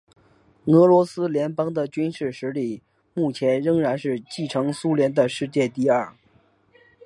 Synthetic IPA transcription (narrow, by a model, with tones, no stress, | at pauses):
ɤ˧˥lwɔ˧˥sɹ̩˥ljɛ˧˥npɑ˥ŋd̪ə˨t͡ɕy˥nʂɻ̩˥˩ʂɻ̩˧˥li˨˩˦ | mu˥˩t͡ɕʰjɛ˧˥nɻə˥ŋɻa˧˥nʂɻ̩˥˧t͡ɕi˥˩ʈ͡ʂʰɤ˧˥ŋsu˥ljɛ˧˥nd̪ə˧ʂɻ̩˥˧t͡ɕjɛ˥˧t̪i˥˧ɐ˥˩